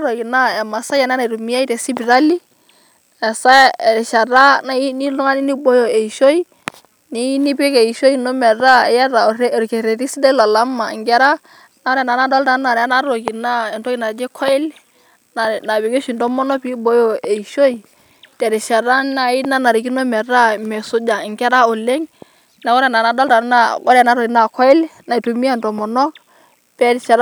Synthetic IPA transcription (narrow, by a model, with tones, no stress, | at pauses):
ɾo˨ki˨na˦ɛ˨ma˨sa˦ja˨na˦na˨ɾu˨mi˦a˦i˦tɛ˨si˦pi˨ɾa˦li˦ | ɛ˨sa˦˨ɛ˨ʃa˨ɾa˦na˦i˦ni˦lɔ˦ŋa˦ni˦ni˦bɔ˦jɔ˨e˨i˨ʃo˦i˦ | ni˦ni˦pke˨i˨ʃo˦i˦nɔ˦mɛ˨ɾa˦˨ja˦ɾa˨ɾɾkɛ˨ɾe˨ɾi˦si˦dɛ˦la˨la˦ma˨ŋɡɛ˦ɾa˦ | na˦nɛ˨na˨na˦da˦lda˦na˨nɛ˨a˦na˦ɾo˨ɡi˨na˦ɛ˨ntɔ˦ki˦na˨d͡ʒɛ˦kʰɔ˦ɛ˦l | na˨na˨be˨ɡe˦ʃi˨ndɔ˦mɔ˦nɔ˦pi˦bɔ˦jo˦e˨i˨ʃo˦i˨ | tɛ˨ɾi˨ʃa˨ɾa˦na˦i˦na˦na˨ɾi˨k̬i˦no˦mɛ˨ɾa˦mɛ˨sʊ˦d͡ʒa˨ɪ˨ŋɡɛ˦ɾa˦o˨le˦ŋ | na˨kɔ˦ɾɛ˨na˨na˨da˦lta˨˦na˦˨kɔ˦ɾa˨na˦ɾo˨ki˨na˦˨kʰɔ˦ɪ˦lna˨i˨tu˨mi˦a˦˨ntɔ˨mɔ˨nɔ˦ | pɛ˦dʃa˨ɾ